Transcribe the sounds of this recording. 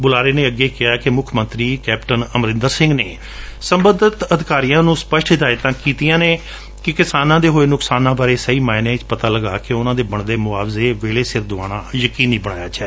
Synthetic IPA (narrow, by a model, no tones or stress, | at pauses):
bʊlaːɾeːnẽːəɡːeːkɪaːkɪmʊkʰmənt̪ɾiːkɛːpʈənəmɾɪ̃nd̪əɾsɪ̃ŋɡneː | səmbəd̪ət̪əd̪ɪkaːɾijãːnũːspəʃʈɪd̪aːɪt̪ãːkiːt̪ijãːneː | kɪkɪsaːnãːd̪eːɦoːeːnʊksaːnãːbaːɾeːsəiːmaːɪnẽːt͡ʃpət̪aːləɡaːkɪʊnãːd̪eːbəɳd̪eːmʊaːʋzeːʋeːɭeːsɪɾd̪ʊa̰ːɽaːjəkiːniːbəɽ̃aːjaːt͡ʃɛː